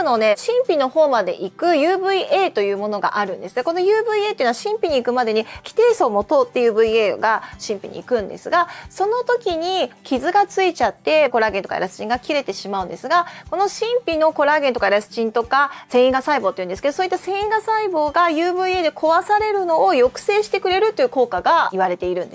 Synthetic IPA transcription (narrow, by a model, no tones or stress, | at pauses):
no̞ne̞ɕĩmpʲino̞ho̞ːmad̪e̞̰ʔikɯ̟jɯːbɯ̟iʔe̞ːt̪o̞jɯ̟ːmo̞no̞ɡa̰ʔaɾɯ̟̃nd̪esɨɡ̪eko̞no̞jɯːbɯ̟iet̪einaɕĩmpʲiɲ̟iːkɯ̟mad̪e̞ɲ̟ikʲi̥t̪e̞ːsoːmo̞t̪oːt̪ːe̞jɯ̟ːbɯ̟ieːɡaɕĩmpʲḭɲ̟ḭḭkɯ̟̃nd̪e̞̰sɨɡaso̞no̞t̪o̞kʲiɲ̟ikʲizɨɡat͡sɨit͡ɕat̪ːe̞ko̞ɾaːɡent̪o̞ka̰ḛɾasɨ̥t͡ɕĩŋɡakʲiɾe̞t̪e̞ɕimaɯ̟̃nd̪esɨɡako̞no̞ɕĩmpʲino̞ko̞ɾaːɡe̞nt̪okaeɾasɨ̥t͡ɕĩnt̪o̞kasẽ̞ɰ̃ĩŋɡasaibo̞ːt̪eiɯ̟nd̪esked̪osoːit̪ːasẽ̞ɰ̃ĩŋɡasaibo̞ːɡajɯːbɯ̟ieːd̪e̞kʰo̞βasaɾe̞ɾɯ̟no̞ːjo̞kɯ̟̥se̞ːɕi̥t̪e̞kɯ̟ɾe̞ɾɯ̟t̪ːojɯko̞ːkaɡaiβ̞aɾe̞t̪e̞iɾɯ̟̃nd̪e̥